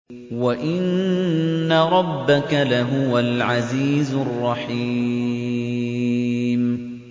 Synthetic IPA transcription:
waʔɪnː | aɾˤɑbːakalaɦʊwalʕaziːzʊrˤːɑħi | m

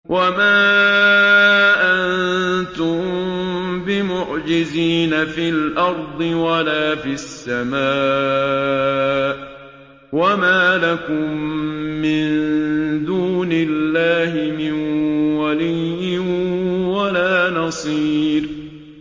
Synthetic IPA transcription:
wʔamaː | ʔannnt̪ʊm | bɪmʊʕd͡ʒɪziːnafilʔɑɾˤd̪ˤɨwalaːfiasːamaː | wamaːlakʊmː | ɪnd̪uːnɪlːaːɦɪmɪnwalijːɪnwalaːnɑsˤiːɾ

